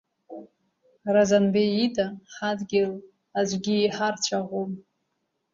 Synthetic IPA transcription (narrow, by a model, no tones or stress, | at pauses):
razanbeitʰʼaħadɡʲɪl | ad͡ʒʷɡʲiːħart͡ʃʷʰaʁom